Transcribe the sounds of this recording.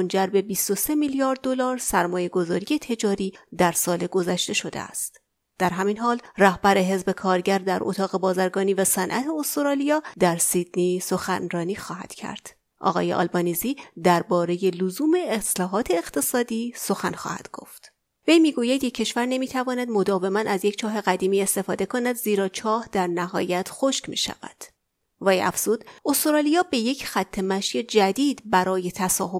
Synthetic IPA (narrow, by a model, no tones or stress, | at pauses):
mond͡ʒæɾbe̞bist̪o̞se̞miljɒːɾd̪̚ːo̞lɒːɾsæɾmɒːje̞ɡo̞zɒːɾije̞t̪ʰe̞d͡ʒɒːɾiːd̪æɾsɒːle̞ɡo̞zæʃt̪e̞ʃo̞d̪ḛæ̰st̪ | d̪̥æɾɦæminɦɒːlræhbæɾe̞ɦe̞zbe̞kʰɒːɾɟæɾd̪æɾʔot̪ʰɒːɣe̞bɒːzæɾɡɒːniːvæsænʔæt̪ʰe̞ost̪oɾɒːlijɒːd̪æɾsid̪niːso̞xænɾɒːniːxɒːhæ̰d̪̥cʰæ̰ɾd̪̥ | ʔɒ̰ːɣɒ̰ːje̞̰ʔɒ̰lbɒːniziːd̪æɾbɒːɾe̞je̞lozuːme̞ːslɒːɦɒːt̪ʰeːqt̪ʰe̞sɒːd̪iːso̞xænxɒ̰ːhæ̰d̪̥ɡ̥o̞̰ft̪ | ve̞jmiːɡuːjæd̪jecʰːe̞ʃvæɾne̞miːt̪ʰævɒːnæd̪mo̞d̪ɒːve̞mænæzjecʰt͡ʃʰɒːɦe̞ɣæd̪iːmiːe̞st̪e̞fɒːd̪e̞kʰo̞næd̪ziːɾɒːt͡ʃʰɒːhd̪̥æɾnæɦɒ̰ːjæt̪ʰxoʃkmḭːʃæ̰væ̰d̪̥ | væjæ̰fz̥uːd̪̥ost̪oɾɒːlijɒːbe̞je̞cʰxæt̪ʰːemæʃed͡ʒæd̪iːd̪bæɾɒːje̞t̪ʰæsɒːɦo